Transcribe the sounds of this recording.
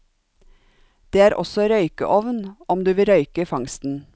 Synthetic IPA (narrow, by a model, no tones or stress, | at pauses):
d̪̥eːæːɾʔɔ̰sɔɾœʏkə̰ʔɔʋnʔɔmd̪ʉːʋɪɾœʏkəfɑŋst̪n̩